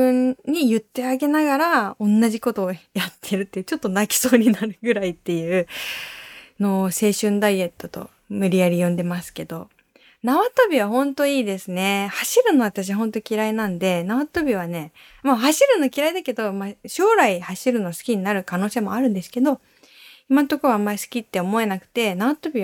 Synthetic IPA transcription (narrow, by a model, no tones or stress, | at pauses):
ɯ̃ɲːijɯ̟t̪ːe̞aɡe̞naɡaɾaõ̞nːaʑiko̞t̪o̞ːjat̪ʰːe̞ɾɯt̪ːe̞jɯ̟t͡ɕo̞t̪ːo̞nakʲi̥so̞ːɲ̟inaɾɯ̟ɡɯ̟ɾait̪ːe̞jɯː | no̞se̞ːɕɨ̃nd̪aie̞t̪ːo̞t̪o̞̰ | mɯ̟ɾʲiaɾʲijõ̞nd̪e̞masɨ̥ke̞d̪o̞ | naβat̪o̞bʲiβ̞aɦõ̞nt̪o̞iːd̪e̞sɨne̞haɕiɾɯ̟no̞β̞at̪aɕ̬iβaɦõ̞nt̪o̞kʲiɾainãnd̪e̞naβat̪o̞bʲiβ̞ane̞ | mahaɕiɾɯ̟no̞kʲiɾaid̪ake̞d̪o̞maɕo̞ːɾaihaɕiɾɯ̟no̞sɨ̥kʲiɲ̟inaɾɯ̟kanoːse̞ːmo̞aɾɯ̟̃nd̪e̞sɨ̥ke̞d̪o̞ | imãnt̪okɯβamːaɾʲisɨ̥kʲit̪ːe̞o̞mo̞e̞nakɯ̟̥t̪e̞naβat̪o̞bʲi